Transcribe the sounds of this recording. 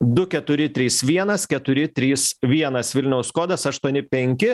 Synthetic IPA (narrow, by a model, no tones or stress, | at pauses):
d̪ʊkʲɛt̪ʊɾʲɪt̪ʲɾʲiːsʋʲiɛnɐskʲɛt̪ʊɾʲɪt̪ʲɾʲiːsʋʲiɛnɐsʋʲɪlʲnʲɛʊsskoːd̪ɐsɐʃt̪uɔnʲɪpʲɛŋʲkʲɪ